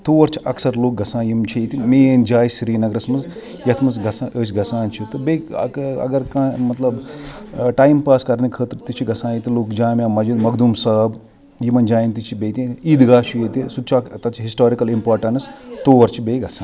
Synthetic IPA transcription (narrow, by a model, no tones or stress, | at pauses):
t̪oːɐɾt͡ʃʰi̥ɐksɐɾloːk̚ɡɐsãːjimt͡ʃʰit̪imeːnd͡ʒaːjsɾiːnɐɡɾɐsmɐz | jɐt̪ʰmɐsɡɐsaʔəːsʲɡɐsãːnt͡ʃʰit̪ɨbḛɐ̰ɡɐɾkãːmɐt̪lɐb | ʈaːjimpaːskɐɾnikʰəːt̪ɾt̪it͡ʃʰiɡɐsãːjit̪iloːkd͡ʒaːmʲaːmɐd͡ʒid̪mɐkd̪umsɐb | jimɐnd͡ʒaːjint̪it͡ʃʰibeːt̪ʲĩiːd̪ɡaːʃʰijet̪isud̪̚t͡ʃʰiɐt̪ɐt͡ʃʰiɦisʈoːɾikɐlimpaːɾʈɐnst̪oːɐɾt͡ʃʰibeːɡɐsãːn